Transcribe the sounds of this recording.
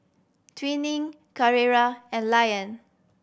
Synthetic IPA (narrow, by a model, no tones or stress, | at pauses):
tʰwĩnĩŋ | kaɹiɹaɛ̃nlajə̃n